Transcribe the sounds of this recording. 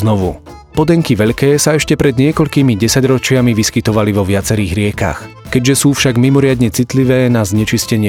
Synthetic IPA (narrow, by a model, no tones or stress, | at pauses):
nɔʋṵ | pɔd̪ɛŋkiʋɛʎkɛːsaɛʃcɛpɾɛd̪ɲɪɛkɔʎkiːmiɟɛsaɟɾɔt͡ʃɪamiʋiskit̪ɔʋaliʋɔʋɪat͡sɛɾiːɣɾɪɛka̰x | kɛɟʒɛsuːfʃaɡmimɔɾɪad̪ɲɛt͡sit̪liʋɛːnazɲɛt͡ʃiscɛɲɪɛ